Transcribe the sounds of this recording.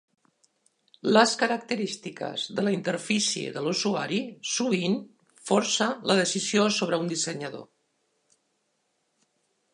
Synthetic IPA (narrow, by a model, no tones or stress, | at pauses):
ləskəɾək̚t̪əɾist̪ikə̰zðəlaint̪əɾfisjiḛðəluzuaɾisuβin | foɾsələðəsiziosoβ̞ɾəund̪isəɲəðo̰